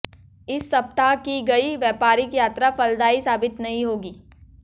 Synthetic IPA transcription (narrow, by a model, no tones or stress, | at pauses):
ɪsːɐp̚t̪akiɡɐiʋjɛːpaːɾikjaːt̪ɾafɐld̪aːisaːbɪt̪nɐɦĩɦoːɡiː